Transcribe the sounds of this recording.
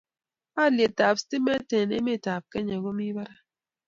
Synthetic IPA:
a˦˨lje˨ta˨psti˦mɛ˦tɛ˨nḛ˦me˦˨ta˨p̚kɛ˦ɲa˨ɡɔ˦mi˦ba˦ɾa˦

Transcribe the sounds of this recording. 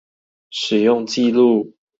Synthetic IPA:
ʂɻ̩˨˩jʊ˥˧ŋt͡ɕi˥˧lu˥˨

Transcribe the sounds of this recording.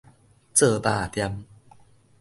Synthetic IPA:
t͡sɤː˨˩paː˨˩t̪ja˧m

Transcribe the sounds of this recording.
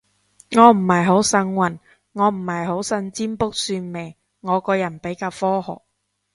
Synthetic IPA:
ŋɔː˨˧m̩˨˩hɐ˨jɦo˨˥wsɐ˧nwɐ˨˩n | ŋɔː˨˧m̩˨˩hɐ˨jɦo˨˥wsɐ˧nt͡siː˥mpʊ˥k̚syː˧nme˨˩j | ŋɔː˨˧kɔː˧jɐ˨˩npe˨˥jkaː˧wfɔː˥hɔ̰ː˨˩k̚

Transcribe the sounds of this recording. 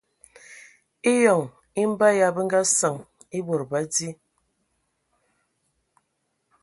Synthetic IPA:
i˦jɔ˨ŋ | i˦m̩˦ba˦ja˦bə˦ŋ̩˦ɡa˦sa˨ŋ | i˦bo˨ɾba˦di˦

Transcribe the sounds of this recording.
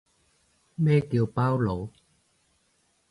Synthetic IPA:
ɓeː˥˩ki˨˩˦wpaː˧˥wlo˨˦

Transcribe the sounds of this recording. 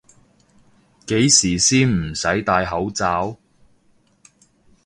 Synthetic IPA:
ke˨˥jsiː˨˩siː˥nm̩˨˩sɐ˨˥jt̪aː˧jɦɐ˨˥wt͡saː˨˥w

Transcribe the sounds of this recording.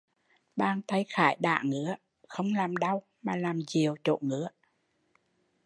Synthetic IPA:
ɓaː˧nt̪a˧jxaː˧˩jɗa̰ː˧˩˨ŋɨ̰˧˥ə | xə˧wŋ͡mlaː˨˩mɗə˧w | maː˨˩laː˨˩mt͡ɕi˨˩əwt͡ɕo̰˧˨ŋɨ̰˧˥ə

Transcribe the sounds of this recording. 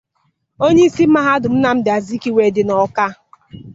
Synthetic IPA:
o˦ɲe˦i˦si˦m̩˦ma˦ɦa˦dʊ˨m̩˦na˨m̩˦dɪ˨a˨zi˦ki˦we˨dɪ˨nɔ˨ka˦

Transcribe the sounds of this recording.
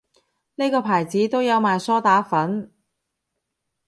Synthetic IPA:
ne˥jkɔː˧pʰaː˨˩jt͡siː˨˥t̪o˥wjɐ˨˧wmaː˨jsɔː˥t̪aː˨˥fɐ˨˥n

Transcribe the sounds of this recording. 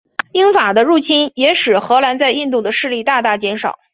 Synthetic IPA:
i˥nfa˨˩d̪ə˦ɻu˥˩t͡ɕʰi˥njɛ˧˥ʂɻ̩˨˩xɤ˧˥la˧˥nt͡sa˥˧ɪi˥˧nt̪u˥˩d̪ə˩ʂɻ̩˥˧li˥˧t̪a˥˧t̪a˥˩t͡ɕjɛ˧˥nʂɑ˨˩˦ʊ

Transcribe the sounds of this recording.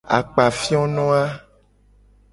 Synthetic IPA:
a̰˨k͡pa˨fi˦ɔ˦nɔ̃˦a˦

